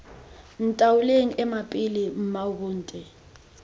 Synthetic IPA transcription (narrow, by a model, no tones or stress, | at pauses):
n̩tʼawuleŋ̩ʔɛmapʼilim̩maβuːntʼɛ